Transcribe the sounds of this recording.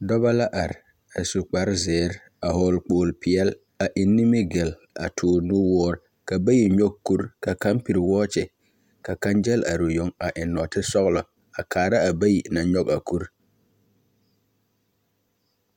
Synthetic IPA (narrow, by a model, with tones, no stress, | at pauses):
dɔ˦ba˦la˦ʔa˨ɾ | a˨su˨k͡pa˨ɾzɪː˨˦ɾ | a˨ɦɔː˨lk͡poː˨lpɪ˨ɛ˦l | a˨ʔɪ˨nːɪ˦mɪ˦ɡe˨l | a̰˨tʰʊː˨nu˦wɔː˦ɾ | ka˨ba˦ji˨ɲɔ˦ɡ̚ku˦ɾka˨ka˦mpi˨ɾwɔː˦t͡ʃɪ˨ | ka˨ka˦nd͡ʒɛ˦la̰˨ɾo˨jo˦ŋa˨ʔɪ˨nɔ˨tɪ˦sɔ˦ɣlɔ˨ | a˨kʰaː˨ɾa˦a˨ba˦ji˨na˨ɲɔ˦ɡa˨ku˦ɾ